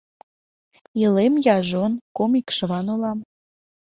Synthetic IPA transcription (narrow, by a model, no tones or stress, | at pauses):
ilemjɑʒonkomikʃəβɑnulɑm